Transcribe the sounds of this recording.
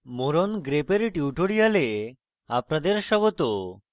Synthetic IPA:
moɾonɡɾepeɾʈiuʈʰoɽijale | apnad̪eɾʃɔɡot̪o

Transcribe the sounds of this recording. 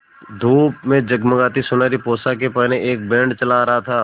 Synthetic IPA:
d̪ʱuːpmẽd͡ʒɐɡməɡaːt̪isʊnaːɾipoːsakepɛɦneʔeːk̚bɛ̃ːɳɖt͡ʃɐlaɾɐɦat̪ʰaː

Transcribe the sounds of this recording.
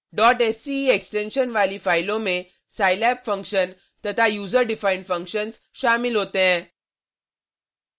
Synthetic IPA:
ɖɔʈesieksʈenɕənʋaliːfajlõme | sajlɛpfə̃ŋkɕən | t̪ət̪ʰajud͡zəɾɖifaiɳɖfə̃ŋkɕəns | ɕamilɦot̪ẽ

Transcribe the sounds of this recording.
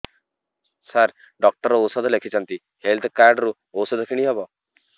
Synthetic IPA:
saɾ | ɖɔk̚ʈɔɾɔosɔd̪ɔlekʰit͡ʃʰant̪i | helt̪ʰkaɾɖɾu | osɔd̪ɔkʰiɽ̃iɦebɔ

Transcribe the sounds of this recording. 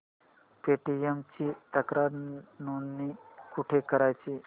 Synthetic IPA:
peʈiemt͡ɕiːt̪əkɾaɾnunːikuʈʰekəɾajt͡ɕiː

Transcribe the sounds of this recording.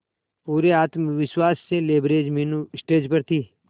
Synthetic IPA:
puːɾeaːt̪mʋɪʃwaːsːeleːbɾeːd͡ʒminusʈeːd͡ʒpɐɾt̪ʰiː

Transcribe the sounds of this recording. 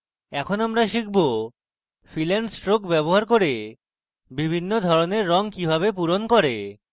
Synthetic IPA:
ɛkʰonamɾaʃik̚ʰbo | filɛnɖsʈɾokbɛboɦaɾk̬oɾe | bibʱinːod̪ʱɔɾoneɾːɔŋkibʱabep̬uɾonkɔɾe

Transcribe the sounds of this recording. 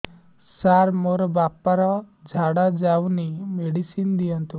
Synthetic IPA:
saɾmoɾɔbapaɾɔd͡ʒʱaɽad͡ʒawnimeɽisind̪ijɔnt̪u

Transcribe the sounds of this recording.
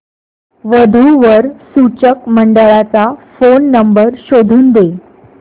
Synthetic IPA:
ʋəd̪ʱuʋəɾsut͡ɕəkməɳɖəɭat͡safonːəmbəɾɕod̪ʱuːnd̪e

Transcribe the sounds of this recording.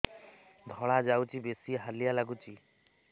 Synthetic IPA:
d̪ʱɔɭad͡ʒawt͡ʃibesiɦalijalaɡut͡ʃi

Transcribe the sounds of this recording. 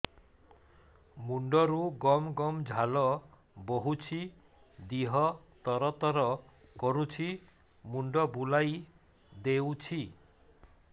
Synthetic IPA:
muɳɖɔɾuɡɔmɡɔmd͡ʒʱalɔ | boɦut͡ʃʰi | d̪iɦɔ | t̪ɔɾɔt̪ɔɾɔ | kɔɾut͡ʃʰi | muɳɖɔbulaj | d̪ewt͡ʃʰi

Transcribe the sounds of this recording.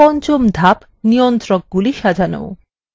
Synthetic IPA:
ɔnt͡ɕomd̪ʱap | nijont̪ɾɔk̚ɡuliʃad͡ʑʱano̰w

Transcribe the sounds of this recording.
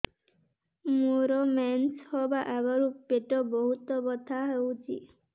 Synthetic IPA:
moɾɔmɛnshɔbaʔabɔɾupeʈɔbɔɦut̪ɔbɔt̪ʰaɦewt͡ʃʰḭ

